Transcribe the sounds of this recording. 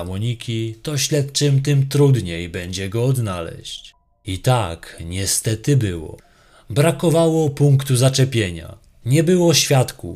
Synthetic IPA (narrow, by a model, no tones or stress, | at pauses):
amɔɲikʲit̪ɔɕlɛt̪̚t͡ʂɘmt̪ɘmt̪ɾud̪ɲejbɛɲd͡ʑɛɡɔːd̪nalɛ̰ɕt͡ɕ | it̪akɲɛst̪ɛt̪ɘbɘwɔ̰ | bɾakɔvawɔpuŋkt̪uzat͡ʂɛpʲjeɲa̰ | ɲɛbɘwɔɕfʲjat̪ku